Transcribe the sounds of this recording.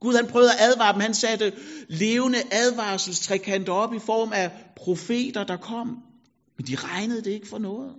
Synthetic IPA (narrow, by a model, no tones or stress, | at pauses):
ɡ̥uð̞ˠhænpʰʁœʊɐʔæð̞ˠʋɑ̈ːd̥emhænsæd̥əle̝ːʊnəʔæð̞ˠʋɑ̈ːsl̩st͡sʰʁakʰæn̰d̥ɒ̽b̥ifɒ̰ːmæpʰʁo̝fe̝̰ːd̥ɐd̥ɑ̈kʰɒ̽m̰ | mend̥iʁɑ̈ɪnəð̞̩ˠd̥e̝e̝ɡ̥əfɒ̽nɔ̽ːð̩ˠ